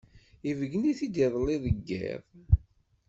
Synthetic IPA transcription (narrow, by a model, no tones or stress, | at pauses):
ivəɡəniθid̪iðˤliðəɡːḛðˤ